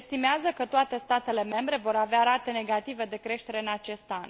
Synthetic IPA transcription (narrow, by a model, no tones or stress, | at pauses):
st̪imeazəkət̪oat̪e̞st̪at̪e̞le̞me̞mbɾe̞vo̞ɾaveaɾat̪e̞ne̞ɡat̪ive̞d̪e̞kɾe̞ʃt̪e̞ɾe̞ɨnat͡ʃe̞st̪an